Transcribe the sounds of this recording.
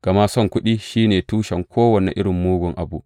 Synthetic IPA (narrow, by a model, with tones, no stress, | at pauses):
ɡ̥ɐ˨ma˦sɔ˦˨ŋkʷʊ˦ɗiː˦ʃiː˦neː˨tuː˦ʃɐ˨ŋkʰʷoː˦wɐ˨nḛ˨ʔɪ˦ɽɪ˨mːuː˦ɡʷʊ˨ŋʔa˨bu˦ʔ